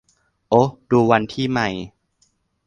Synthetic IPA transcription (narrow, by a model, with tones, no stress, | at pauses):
ʔo˦˥duː˧wa˧nt̪ʰiː˥˩ma˦˥˩j